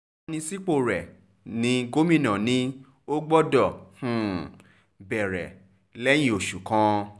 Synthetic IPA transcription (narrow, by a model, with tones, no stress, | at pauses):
nĩ˧si˦k͡po˦˨ɾɛ˨ | nĩ˨˦ɡo˦mĩ˦˨nã˨nĩ˧˦ | o˦ɡ͡bɔ˦dɔ˦˨hũ˨ | bɛ˨ɾɛ˨ | lɛ˦j̃ĩ˦o˨ʃu˨kã˧˦